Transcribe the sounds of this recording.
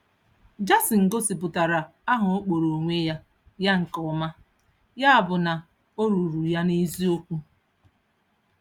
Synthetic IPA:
d͡ʒa˦si˨ŋ̩˨ɡo˦si˨p̬ʊ˨ta˨ɾa˨a˦ɦʊ˨o˦k͡po˨ɾo˨ŋʷe˦ja˦ | ja˦ŋ̩˨kɔ˨ma˦ | ja˦a˨bʊ˨na˨ | o˦ɾu˨ɾu˨ja˦ni˦zi˦o˦kʷu˦

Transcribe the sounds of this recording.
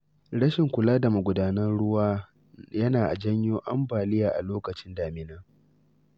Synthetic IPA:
ɽɐ˦ʃɪ˨ŋkʷʊ˨laː˦da˨ma˨ɡʷʊ˨daː˦nɐ˦nɽʊ˦waː˦ | jɐ˦naː˨ʔa̰˨d͡ʒɐ˦ɲjoː˦ʔa˦mbaː˨lɪ˦jaː˨ʔa̰˨loː˦kɐ˨t͡ʃɪ˦ndaː˨mɪ˦naː˦

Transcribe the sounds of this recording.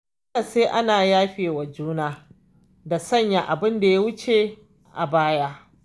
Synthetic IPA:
ka˨seː˦ʔa˦naː˨jaː˦ɸeː˨wa˨d͡ʒuː˦naː˦ | da˨sɐ˦ɲja˨ʔa˨bɪ˦nda˨je˦wʊ˦t͡ʃe˨ | ʔa˨baː˦jaː˦

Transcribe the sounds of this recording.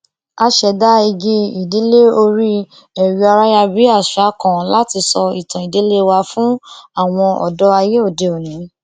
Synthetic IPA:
a˧ʃɛ˨da˦i˧ɡi˦i˨de˨˦le˦o˧ɾi˦ | ɛ˨ɾi˨˧a˧ɾa˦ja˧bi˦a˦˨ʃa˨˦kã˨la˦ti˧sɔ˧i˨tã˨i˨de˨˦le˦wa˧fũ˦a˦˨w̃ɔ̃˧ɔ̰˨dɔ˦a˧je˦o˦˨de˨o˨nĩ˨˦

